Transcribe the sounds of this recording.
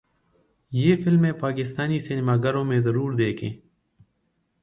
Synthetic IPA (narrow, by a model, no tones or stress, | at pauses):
jeːfɪlmẽpaːkɪst̪aːnisinɪmaːɡəɾõːmẽzɐɾuːɾd̪eːkʰḛ̃ː